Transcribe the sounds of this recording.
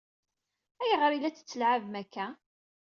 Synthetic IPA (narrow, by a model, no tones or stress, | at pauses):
æjəʁɾilæt͡sːə̥t͡sːəlʕavmækːæ